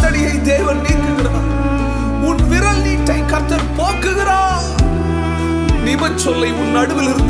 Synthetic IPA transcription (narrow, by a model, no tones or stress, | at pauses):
ɐnɪjɐɪd̪eːʋɐnniːkɯɣɪraːɾ | ʊnʋɪɾɐlniːʈːɐɪkɐɾt̪ːɐɾpoːkɯɣɪɾaː | nɪʋɐnsɔlːɐɪʊnːɐɽɯʋɪlɪɾɯnd̪